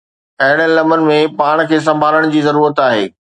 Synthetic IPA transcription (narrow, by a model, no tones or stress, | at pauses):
ɐɦɪɽ̃lɐmənɪ̆mẽpaːɽ̃kʰeːs̬ɐ̃mbʱaːləɽ̃d͡ʑiːzɐɾuːɾət̪aːɦeː